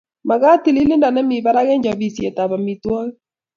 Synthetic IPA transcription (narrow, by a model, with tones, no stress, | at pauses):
ma˨ɣa˦ti˨li˦li˦nda˨nɛ˦mi˨βa˦ɾa˦ɣɛ˦ɲd͡ʒa˨βi˨sjɛ˨ta˨βa˨mi˨twa˦ɣ